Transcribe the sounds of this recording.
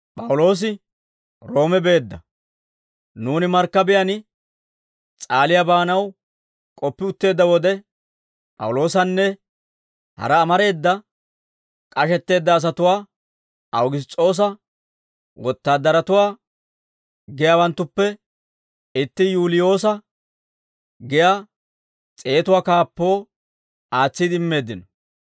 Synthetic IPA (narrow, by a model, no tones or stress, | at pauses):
pʼɐwʊlo̞ːs̬ɪ | ɾo̞ːmɛbe̞ːd̪ːɐ | nuːnɪmɐɾkːɐbɪjɐn | t͡sʼaːlɪjabaːnɐw | kʼɔpːɪʊt̪ːe̞ːd̪ːɐwɔd̪ɛ | pʼɐ̰wʊlo̞ːs̬ɐnːɛ | hɐ̰ɾɐːmɐɾe̞ːd̪ːɐ | kʼɐʃɛt̪ːe̞ːd̪ːɐːs̬ɐt̪ʊwaː | ʔɐwɡɪst͡sʼo̞ːs̬ɐ | wɔt̪ːaːd̪ːɐɾɐt̪ʊwaː | ɡɛjaːwɐnt̪ːʊpːɛ | ɪt̪ːɪjuːlɪjo̞ːsɐ | ɡɛjaː | t͡sʼe̞ːt̪ʊwaːkaːpːo̞ː | aːt͡sːid̪ɪmːe̞ːd̪ːɪnɔ